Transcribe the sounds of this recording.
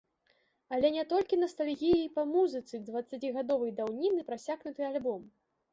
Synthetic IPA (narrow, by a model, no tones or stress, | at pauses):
ɐlʲɛnʲɛt̪ɔlʲkʲinɐst̪alʲɣʲijiipamuzɨt̪sɨd̪vɐt̪sːat͡sʲiɣad̪ɔvɐjd̪awnʲinɨpɾasʲaɣnut̪ɨalʲbɔm